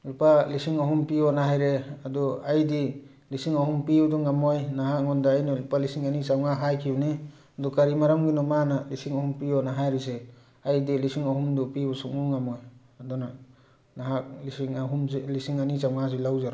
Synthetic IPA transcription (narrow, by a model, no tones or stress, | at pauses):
lupalisiŋaɦumpionaɦajɾeadɔajdi | lisiŋahumpiduŋamojnaɦakŋɔndaːjnɔlupalisiŋanit͡ʃawŋaɦajkʰiwni | dɔkaɾimaɾamɡinɔmanalisiŋaɦumpiɔnaɦajɾise | ajdilisiŋahumdupibusuk̚nuŋamoj | aduna | naɦak̚lisiŋaɦumlisiŋanit͡ʃawŋas̬ilawzaɾ